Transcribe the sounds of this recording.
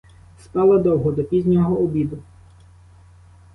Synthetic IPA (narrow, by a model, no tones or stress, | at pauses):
st̪ɑlˠɐd̪ɔwɦɔd̪ɔpʲizʲnʲɔɦɔːbʲid̪ʊ